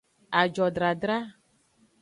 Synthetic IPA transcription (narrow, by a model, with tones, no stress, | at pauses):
a˨d͡ʒɔ˨ɖɾa˨ɖɾa˦